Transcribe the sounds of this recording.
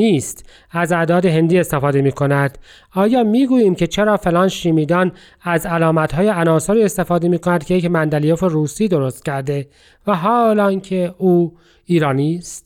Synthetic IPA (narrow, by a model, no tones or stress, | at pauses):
niːst̪ | æzæd̪ɒːd̪e̞ɦe̞nd̪iːe̞st̪e̞fɒːd̪e̞miːkʰo̞næd̪̥ | ɒːjɒːmiːɡuːjiːmcʰe̞t͡ʃʰe̞ɾɒːfelɒːnʃiːmiːd̪ɒn | æzælɒːmæt̪hɒːjeænɒːsoɾiːe̞st̪e̞fɒːd̪e̞miːko̞næd̪̥kcʰejecmænd̪ælijoferuːsiːd̪o̞ɾo̞st̪̚cʰæɾd̪e̞ | væɦɒːlɒːŋcʰe̞uː | iːɾɒːniːst̪